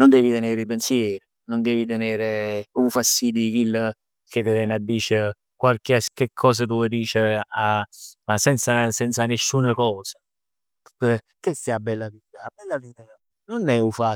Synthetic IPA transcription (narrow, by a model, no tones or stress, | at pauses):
nond̪ɛːvit̪eneːɾeipensjɛːɾi | nond̪ɛːvit̪eneːɾeufasid̪ikilː | ket̪eɛnad̪ːiːt͡ʃe | kwalkeskekʰːɔːs̬at̪̬uvɔjd̪iːt͡ʃeamasɛnt̪sasɛnt̪sanesːunakɔːsḁ | kesiabːɛlːaviːt̪aːbɛlːaviːt̪a | nonɛufa